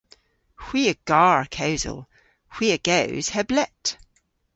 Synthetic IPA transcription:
hw̥iːəɡ̥aɹkʰaʊzə̰lˠ | hw̥iəɡ̥awz̥hɛblɛʔ

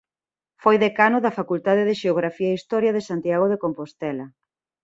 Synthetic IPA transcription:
fojðekanʊðɐfakult̪að̞eðeʃeoɣɾafiɐist̪ɔɾjɐðesant̪jaɣ̞oð̞ekompost̪ɛlɐ

